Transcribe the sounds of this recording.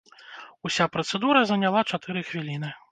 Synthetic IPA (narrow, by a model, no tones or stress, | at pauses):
usʲapɾɐt̪sɛd̪uɾɐzɐnʲalˠat͡ʂat̪ɨɾɨxvʲilʲinɨ